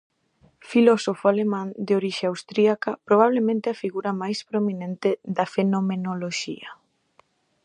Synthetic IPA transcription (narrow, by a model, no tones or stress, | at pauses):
filɔsofoalemãnd̪eoɾiʃeawst̪ɾiakɐpɾoβ̞aβ̞lemẽnt̪ɪafiɣuɾɐmajspɾominẽnt̪ɪðɐfenomenoloʃḭɐ